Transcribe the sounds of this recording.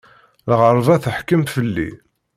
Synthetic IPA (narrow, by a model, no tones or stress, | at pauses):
lʁəɾˤvæθəħkəmfəlːḭ